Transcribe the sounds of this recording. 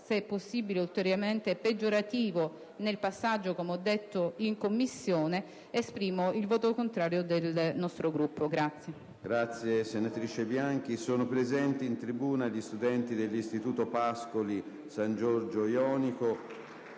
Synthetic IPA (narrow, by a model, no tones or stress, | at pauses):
sɛpːosːiːbileult̪eɾjament̪eped͡ʒoɾat̪iːvo | nelpasːad͡ʒːokomeɔd̪ːet̪ːoiŋkomːisːjɔːne | espɾiːmoilvoːt̪okont̪ɾaːɾjod̪elnɔst̪ɾoɡɾupːoɡɾat̪sːje | ɡɾat̪sːjesenat̪ɾiːt͡ʃebjaŋk̟isoːnopɾezɛnt̪iːnt̪ɾibuːnaʎist̪ud̪ɛnt̪id̪elːist̪it̪uːt̪opaskoli | sand͡ʒɔɾd͡ʒojɔːniko